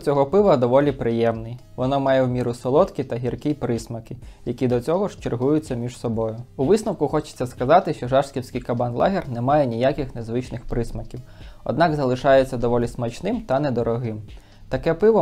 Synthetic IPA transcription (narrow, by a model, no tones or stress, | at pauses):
t͡sʲɔɦɔpɪʋɐd̪ɔʋɔlʲipɾɪjɛmnɪjʋɔnɔmɑjɛwmʲiɾʊsɔlˠɔt̪kɪt̪ɐɦʲirkijpɾɪsmɐkɪjɐkʲid̪ɔt͡sʲɔɦɔʃt͡ʃerɦujʊt͡sʲːɐmʲiʒsɔbɔjʊuʋɪsnɐwkʊxɔt͡ʃe̥t͡sʲːɐskɐzɑt̪ɪʃt͡ʃɔʒɑʃsʲkʲiwsʲkʲɪjkɐbɑnlˠɑ̰ɦʲirnɛmɑjɛnʲijakɪxnezʋɪt͡ʃnɪxpɾɪsmɐkʲiwɔ̰d̪nɑkzɐlˠɪʃɑjet͡sʲːɐd̪ɔʋɔlʲismɐt͡ʃnɪmt̪ɐnɛd̪ɔɾɔɦɪm | t̪ɐkɛpɪʋɔ